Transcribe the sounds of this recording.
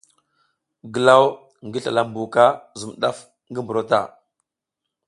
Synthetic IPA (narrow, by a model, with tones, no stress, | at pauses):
ɡə˨la˦w | ŋɡi˦ɬa̰˨la˦mbu˨ka˦zu˨mɗa˦f | ŋɡi˦mbu˨ɾo˦ta̰˦˨